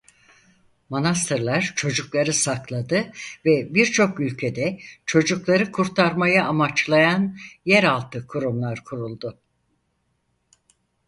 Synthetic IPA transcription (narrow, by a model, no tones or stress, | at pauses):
monas̬t̪ʰɯɾlˠaɾt͡ʃʰo̞d͡ʒuklˠaɾɯsaklˠad̪ɯvɛbiɾt͡ʃʰo̞kylʲcʰed̪ɛt͡ʃʰo̞d͡ʒuklˠaɾɯkʰuɾt̪ʰaɾmajaʔːmat͡ʃlˠajanjɛɾalˠt̪ʰɯkʰuɾumlˠaɾkʰuɾulˠd̪ʊ